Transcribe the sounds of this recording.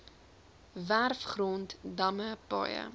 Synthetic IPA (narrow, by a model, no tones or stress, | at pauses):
værfχrɔntdɐməpɐ̰jə̰